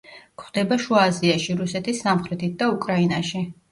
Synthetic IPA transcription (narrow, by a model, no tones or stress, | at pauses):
kʰχwd̪ɛbaʃuaziaʃiɾusɛt̪ʰisːamχɾɛt̪ʰit̪̚d̪aukʼɾainaʃi